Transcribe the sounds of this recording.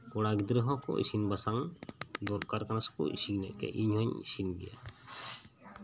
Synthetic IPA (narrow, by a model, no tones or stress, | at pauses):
kɔɽaɡid̪ɾəɦɔkɔ̰ḭsinbasaŋd̪ɔɾkaɾkanaskṵʔḭsiɡnɛ̰ʔkɛ̰ʔiɲhɔɲisinbḭja̰